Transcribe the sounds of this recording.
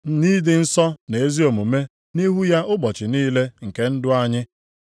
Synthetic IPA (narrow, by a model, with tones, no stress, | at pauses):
ni˦dɪ˨n̩˦sɔ˦ne˨e˦zi˦o˨mu˨me˦ | ni˦ɦu˦ja˦ʔʊ˦bɔ˨t͡ʃɪ˨niː˦le˦ŋ̩˨ke˦n̩˦dʊ˦a˦ɲɪ˦